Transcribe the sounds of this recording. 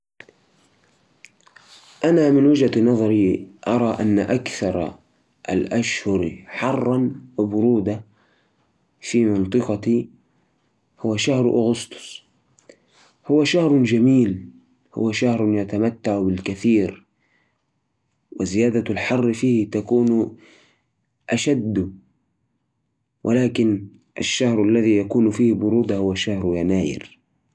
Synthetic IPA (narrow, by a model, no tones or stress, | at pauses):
ʔanamɪnwɪd͡ʒad̪nɑðˤɑɾiʔɑɾˤɑʔanːa̰ʔakθɑɾˤ | ʔa̰lʔaʃhʊɾħɑrˤːɑnwɪbʊɾuːd̪a | fiːmɪnt̪ˤɨqɑt̪i | hʊwːaʃahɾʔʊ̰ɣʊst̪ʊ̥s | hʊwaʃahɾˤd͡ʒamiːl | hʊ̰waʃahɾˤnjat̪amat̪ːaʕbɪlkaθiːɾ | wɪzɪjaːd̪alħɑrˤːfiːht̪akuːn | ʔaʃad̪ː | wʔɪ̰laːkɪn | ʔa̰ʃːahɾʔalːaðijakuːnfiːhbʊɾuːd̪ahʊwaʃahɾjanaːjɪ̰ɾ